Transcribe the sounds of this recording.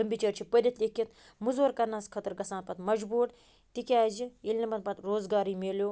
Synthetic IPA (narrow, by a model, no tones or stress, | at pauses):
lɐmbʲit͡ʃɐɾt͡ʃʰipəd̪ʲɐt̪lʲekʲːit̪̚ | muzʋɐɾkɐɾnaːskʰɐt̪əɾɡɐsaːnpɐt̪mɐd͡ʒbuːʈ | t̪ikʲaːd͡ʒiilʲnʲɐbɐnpɐt̪ɾoːzɡaːɾiːmeːljoː